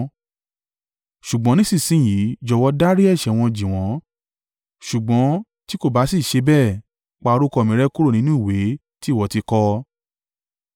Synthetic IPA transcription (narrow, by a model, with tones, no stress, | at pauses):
ʃu˨ɡ͡bɔ̃˨˦nĩ˦sĩ˦˨sĩ˦˨ji˨˦d͡ʒɔ˧˦wɔ˧˦da˦ɾi˦ɛ˦˨ʃɛ˨w̃ɔ̃˧d͡ʒĩ˨w̃ɔ̃˨˦ | ʃu˨ɡ͡bɔ̃˨˦ | ti˦ko˦˨ba˨˦si˦˨ʃe˧bɛ˦˨ | k͡pa˧o˧ɾu˦kɔ˧˨mĩ˨˦ɾɛ˦ku˦ɾo˦˨nĩ˨˦nũ˦i˦˨we˨˦ | ti˦˨wɔ˧ti˧kɔ˧